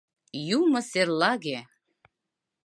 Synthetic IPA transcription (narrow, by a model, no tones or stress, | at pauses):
jumɤ̆serlɑɣe